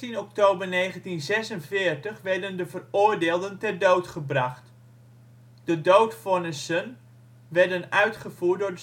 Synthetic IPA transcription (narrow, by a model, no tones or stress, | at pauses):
inɔk̚toːbərneːχəntinzɛsənvɪːrtəχʋɛɹdəndəvərʊːrdeːlˠdəntɛrdowtχəbraχt | d̥ədowtfɔnəsən | ʋɛɹdənœɥtχəvuːt̚dʊɹdə